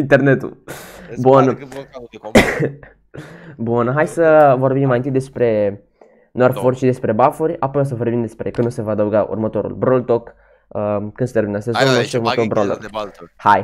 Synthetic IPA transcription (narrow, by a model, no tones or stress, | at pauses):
int̪ernet̪ṵbun | bunɦajsəvo̞rbimmajint̪ɨt̪d̪e̞spɾe̞ | noarforʃid̪e̞spɾe̞bafurʲapojs̬əvo̞rbimd̪e̞spɾe̞kɨnusevaːd̪əwɡaʔṵrmət̪o̞ɾṵlbɾoult̪ok | əkɨnst̪eminəsezt̪omoʃiurmət̪olbɾolo̰rhaj